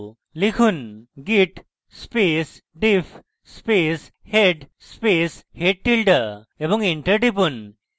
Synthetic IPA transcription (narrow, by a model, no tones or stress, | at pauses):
likʰunɡiʈ | spesɖif | spesheɖspesheʈ̚ʈilʈə | ebɔŋɡiɳʈəɾʈip̬un